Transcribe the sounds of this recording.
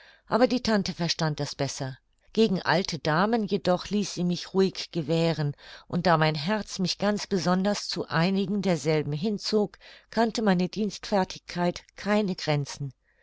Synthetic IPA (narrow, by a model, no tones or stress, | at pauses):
ʔaːbɐdiːtʰantəfɛɐʃtant̚d̥asb̥ɛsɐ | ɡ̥eːɡŋ̩ʔa̰ltʰədaːmənjedɔχliːsz̥iːmɪçʁuːɪçɡ̥əvɛːʁ̞ənʔʊnt̚d̥aːmaɪnɦɛɐt͡smɪçɡ̥ant͡sb̥əzɔndɐst͡suʔaɪnɪɡŋ̩deːɐzɛlbm̩ɦɪnt͡soːkkʰantəmaɪnədiːnstfɛɐtʰɪ̥çkʰːaɪtkʰaɪnəɡʁɛnt͡sn̩